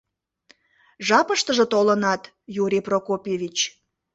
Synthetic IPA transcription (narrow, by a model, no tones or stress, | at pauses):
ʒɑpəʃt̪əʒə̆t̪olənɑt̪ | juɾʲiprokopjeβʲit͡ɕ